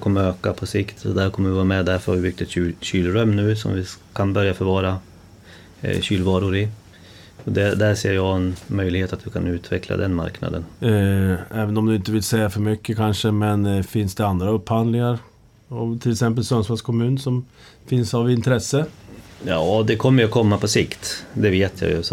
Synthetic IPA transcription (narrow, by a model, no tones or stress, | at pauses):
kʰɔmːəɾøːkapʰɔsɪkt̪sɔd̪æɾkʰɔmːəvɪvɑːɾamɛd̪æɾfœɾhaɾvɪbʏk̚t̪ɛt̪yːɕyːlɾœmːnʉ̟ːsɔ̰mvɪkʰanbœɾjafœɾvɑːɾa | ɕyːlvɑːɾʊɾɪ | ɔd̪ɛd̪æseːɾjɑːɡɛnmœjlɪɡheːt̪at̪d̪ɪkʰanʉ̟ːt̪ʰvɛkʰla̰d̪ɛnma̰ɾkna̰d̪ən | ɛːvənɔmd̪ɵɪnt̪əvɪlsɛjːafœɾmʏkːəkʰanʂəmɛnfɪnsd̪ɛand̪ɾaɵpːhand̪lɪŋaɾ | ɔmt̪ʰɪlɛksɛmp̬əlsœnsmɑskʰɔmʉ̟ːnəʂɔm | fɪnsavɪnt̪ɾɛsːəjɑːd̪ɛkʰɔmːəɾjɔkʰɔmːapʰɔsɪkt̪d̪ɛveːt̪ʰja̰jɵ̰